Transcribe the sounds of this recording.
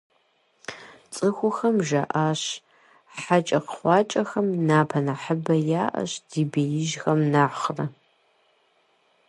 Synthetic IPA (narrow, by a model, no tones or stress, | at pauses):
t͡sʼɨxʷʊxɐmʒɐʔaːɕ | ħat͡ʃʼɐqə̥χʷɑːt͡ʃʼɐxɐmnaːpʰɐnaħəbɐjaːʔɐ̰ɕd̥iːbejɪʒxɐmnaːχrɐ